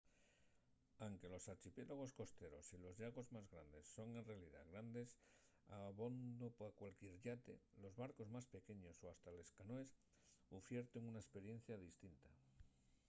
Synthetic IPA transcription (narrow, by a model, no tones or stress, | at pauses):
aŋke̞lo̞saɾt͡ʃipje̞loɣ̞o̞sko̞st̪e̞ɾo̞̰silo̞zʎaɣo̞zmazɣɾand̪e̞sːo̞ŋe̞nre̞aliða̰ɣɾand̪e̞s | aβo̞nd̪opoakwalkje̞ɾʎat̪e̞̰lo̞zβaɾko̞zmaspe̞ke̞ɲo̞soast̪ale̞skanoe̞s | ufje̞ɾt̪eŋunaespe̞ɾje̞n̟θjaðist̪int̪a